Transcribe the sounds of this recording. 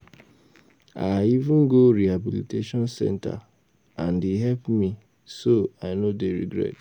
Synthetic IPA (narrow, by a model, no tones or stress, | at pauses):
a̰ivʊ̃nɡoɾihabilḭtʰeʃɔ̃nsɛ̰̃nta̰ | ãndiɦɛlpmi | soaɪnodeɹiɡɾɛ̰t